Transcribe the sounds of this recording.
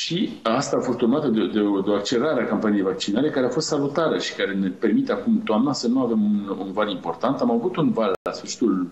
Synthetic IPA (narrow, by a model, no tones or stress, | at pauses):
ʃiast̪aːfo̞st̪urmat̪əd̪ed̪eod̪eoakt͡ʃe̞ɾaɾeakampanije̞jvak̚t͡ʃinaɾe̞kaɾeafo̞st̪salut̪aɾəʃi̥kaɾe̞ne̞pe̞rmit̪eakumt̪oamnasənuave̞munṵnvalimpo̞rt̪ant̪amavut̪unvalːasfəʃi̥t̪ul